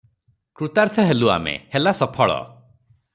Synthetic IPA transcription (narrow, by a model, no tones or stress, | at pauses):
kɾut̪aɾt̪ʰɔɦelua̰mḛhelasɔpʰɔɭɔ̰